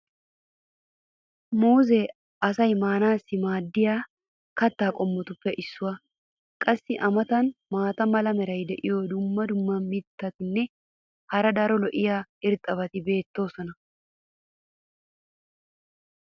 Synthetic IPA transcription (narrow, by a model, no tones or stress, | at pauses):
muːzɛ | ɐsɐjmaːnaːsːɪmaːd̪ːɪjaː | kɐt̪ːaːkʼɔmːɔt̪ʊpːɛʔɪsːʊwɐ | kʼɐsːɪʔɐmɐt̪ɐnmaːt̪ɐmɐlɐmɛɾɐjd̪ɛʔɪjɔd̪ʊmːɐd̪ʊmːɐmɪt̪ːɐt̪ɪnːɛ | hɐɾɐd̪aːɾɔlɔʔɪjaːɪɾt̪ʼːɐβɐt̪ɪbe̞ːt̪ːo̞ːsɔnɐ